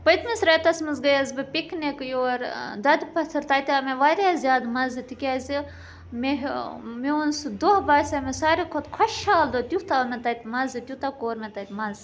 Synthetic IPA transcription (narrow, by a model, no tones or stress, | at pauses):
pɐjt̪misɾɐjt̪ɐsmɨzɡɐjɐzbɨpʲiknʲekjoːɾd̪ɐd̪pɐt̪ʰɨɾt̪aːt̪ʲaːmeʋaːɾʲjazʲjaːd̪mɐzɨt̪ikʲaːzi | meɦmiunsd̪ohbaːsʲamesaːɾikʰot̪kʰɐʃʃʰaːld̪ot̪ʲuht̪aːmet̪ɐt̪ʲmɐzɨt̪ʲjut̪akoːɾmʲet̪ɐt̪ʲmɐz